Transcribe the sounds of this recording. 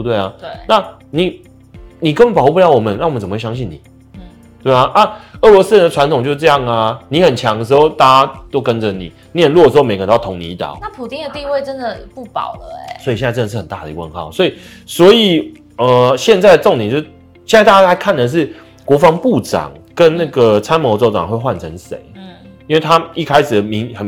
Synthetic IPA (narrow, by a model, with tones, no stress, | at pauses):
t̪we˥˩ɪa˨˩we˥˩na˥˨ | ni˨˩ | ni˨˩kə˥nwə˨˩pxu˥˩pu˥˩jɑ˥ʊwɔ˨˩mə˨˦na˥˩wə˦t͡sə˨˩mə˦wjɑ˥ɕ̬i˥˩nḭ˨˩˦ | t̪e˥˩a˧˩na˥˧ɤ˥˩lwɔ˧˥s̩˥ɻɛ˧˦nd̪ə˧ʈ͡ʂʰwa˧nt̪ʊ˨ŋt͡ɕo˥˧ʊ˥˧ʈ͡ʂɤ˥˧jɑ˥˩ŋa˩ni˨˥˦xə˨˩nt͡ɕʰjɑ˧˦ŋə˩ʂ̬̩˧˥o˥˧ʊt̪a˥˩t͡ɕa˥t̪o˥ʊkə˦nd͡zə˨nḭ˨˩ni˨˥ə˨nlɔ˥˩ə˩ʂ̩˧˥˧me˧˥ɪk̪ʰʊ˧˦ŋnḭ˨i˧˥t̪ɑ̰˨˩˦ʊna˥˩pʰu˨˩t̪i˥ŋd̪ə˩˧t̪i˥˧we˥˩ɪʈ͡ʂə˦nd̪ə˨pu˥˩pɑ̰˨˩ʊlə˦ɛ̰˦swɔ˧˥i˨ɕja˥˧ə˥˧nə˩ʂ̬ɻ̩˥˩xə˨˩nt̪a˥˩də˨˩i˧˥˦wə̰˥˧nxɑ̰˥˨˩ʊswɔ˧˥i˨˩ | swɔ˧˥i˨˩ | ə˨˩ɕjɛ˥˧nt͡sa˥˩ɪd̪ə˩t͡so˥˧ŋjt͡ɕo˥˧ʂ | ɕjɛ˥˧nt͡sa˥˧ɪa˥˩t͡ɕa˥a˧˥ɪkʰa˥˩nd̪ə˩ʂ̬ɻ̩˥˩ | kwɔ˧˥fɑ˧˦ŋpu˥˨˩ʈ͡ʂɑ̰˨˩ŋkə˦nna˥˩ɡə˩t͡sʰa˥nmo˧˥t͡so˥˧ʊʈ͡ʂɑ̰˨ŋxwe˥˧ɪxwa˥˩nt͡sʰə˧˦ŋsḛ˨˦ɪ˥˩ | i˥nwe˥˩ɪt̪ʰa˦i˥˩kʰa˥ɪʂɻ̩˨˩ə˩mi˧˦ŋxə˨˩n